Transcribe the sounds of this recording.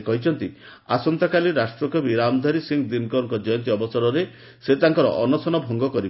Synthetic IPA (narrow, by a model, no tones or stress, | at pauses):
kɔɦit͡ʃʰɔnt̪i | a̰sɔnt̪akaliɾasʈɾɔkɔbiɾamd̪ʱaɾisiŋɡd̪inkɔɾɔŋkɔd͡ʒɔjɔnt̪̬iɔbɔsɔɾɔɾe | set̪aŋkɔɾɔ̰ʔɔnɔsɔnɔbʱɔŋɡɔkɔɾib